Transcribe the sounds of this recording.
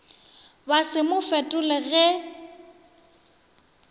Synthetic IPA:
basɪmʊfɛtʼʊlɪɣɛ

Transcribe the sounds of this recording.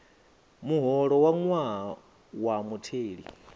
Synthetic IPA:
muɦɔɺɔwaŋwaɦa | wamutʰeːɺḭ

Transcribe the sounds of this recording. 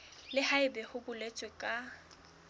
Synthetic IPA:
lɪhaɪbɛhʊbʊlet͡sʼwɛkʼa

